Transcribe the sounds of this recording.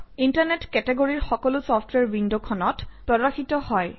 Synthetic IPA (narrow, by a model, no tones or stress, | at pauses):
intaɹnetkɛtɛɡoɹiɹxɔkɔlʊsɔfʰtʰwɛɹwindokʰɔnɔtpɹɔdaxitɔhɔj